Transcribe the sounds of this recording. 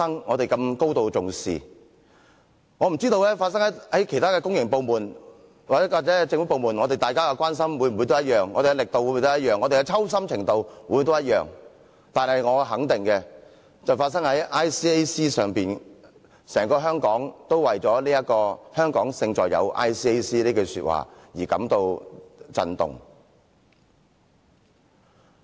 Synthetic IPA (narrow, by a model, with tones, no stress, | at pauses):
sɐ˥ŋŋɔː˨˧t̪e˨jkɐ˧mko˥wt̪o˧wt͡sʊ˨ŋsḭː˨ | ŋɔː˨˧m̩˨˩t͡siː˥t̪o˧wlɛː˥faː˧t̚sɐ˥ŋhɐ˨˥hɐ˨˥jkʰe˨˩jt̪ʰaː˥kɛː˧kʊ˥ŋjɪ˨˩ŋpo˨wmuː˨˩n | waː˨˥waː˨˩ɛ˨˦˧t͡sɪ˧ŋfu˨˥po˨wmuː˨˩nŋɔ˨˧e˨jt̪aː˨jkaː˥kɛ˧kwaː˥nsɐ˥mwu˨˧jm˨u˨˧t̪o˥jɐ˥t̚jœː˨˩ŋːɔː˨˧e˨ɡɛ˧lɪ˨k̚t̪o˨wu˧˥mu˨˧t̪o˥jɐ˥t̚jœː˨ŋɔ˨˧t̪e˨jkɛ˧t͡sʰɐ˥ws̬ɐ˥mt͡sʰɪ˨˩ŋt̪o˨˧wwu˧˥jt̪o˥wjɐ˥t̚jœ̰ː˨ŋ | t̪aː˨˩nhɦɐ˨jŋɔː˨˧ɦɐ˨˥ŋt̪ɪ˨˩ŋkɛ˧ | t͡sɐ˨wfaː˧t̚sɐ˥ŋhɐ˨˥jʔaː˥jsiː˥e˥siː˥sœː˨˩ŋpiː˨n | sɛː˨˩ŋkɔː˧ɦœː˥ŋkɔː˨˥ŋt̪o˥wwɐ˨jt͡sɔː˨˥liː˥jɐ˥t̚kɔː˧hœː˥ŋkɔː˨˥ŋsɪ˧ŋt͡sɔ̰ː˨jɐ̰˨˧wʔa̰ː˥jsiː˥e˥jsiː˥liː˥ko˧sy̰ː˧t̚wa̰ː˨˩jiː˨˩kɐ̰˨˥mt̪o˧wt͡sɐ̰˧nt̪ʊ̰˨ŋ